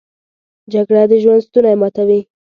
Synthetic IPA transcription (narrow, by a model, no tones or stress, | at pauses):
d͡ʒaɡɽad̪əʒwand̪st̪unajmɑt̪awi